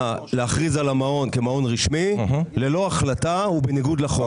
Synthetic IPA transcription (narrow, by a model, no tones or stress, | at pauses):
aleaχʁizalamao̞nke̞mao̞nʁiʃmilelo̞aχlataubeniɡud̪laχo